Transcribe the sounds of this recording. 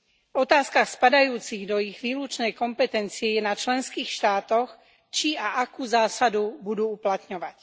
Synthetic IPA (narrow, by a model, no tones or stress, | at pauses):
vɔt̪aːskaxspad̪ajuːt͡siɣd̪ɔiɣʋiːlut͡ʃnɛjkɔmpɛt̪ɛnt͡siɛjɛnat͡ʃlɛnskiːxʃt̪aːt̪ɔx | t͡ʃiaʔakuːzaːsad̪ubud̪uːuplat̪ɲɔʋac